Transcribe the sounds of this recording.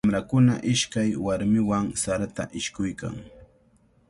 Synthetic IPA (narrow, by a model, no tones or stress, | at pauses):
mɾakʊna̰ʔɪʃkajwaɾmɪwaŋsaɾat̪a̰ʔɪʃkʊjka̰ŋ